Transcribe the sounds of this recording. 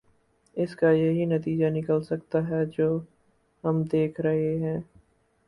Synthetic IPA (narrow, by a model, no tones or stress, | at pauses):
ɪskajɐɦinɐt̪iːd͡ʒanɪkəlsɐkt̪aɦɛd͡ʒoː | ɦɐmd̪eːkʰɾɐɦeɦɛ̃ː